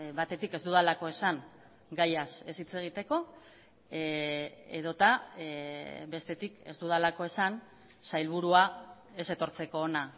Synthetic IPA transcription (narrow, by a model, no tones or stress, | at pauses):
βat̪e̞t̪ike̞zd̪uðalako̞e̞saŋ | ɡajase̞sit͡se̞ɣ̞it̪e̞ko̞ | e̞̰ðo̞t̪a | be̞st̪e̞t̪ike̞zd̪uðalako̞e̞san | sajlβ̞uɾua | e̞se̞t̪o̞ɾt͡se̞ko̞ːna